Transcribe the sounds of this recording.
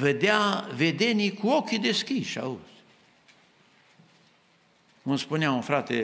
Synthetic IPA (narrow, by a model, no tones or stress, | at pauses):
ved̪eave̞d̪e̞nijkuo̞kʲid̪e̞skʲiʃa̰uz̥ | unspuneaunfɾat̪e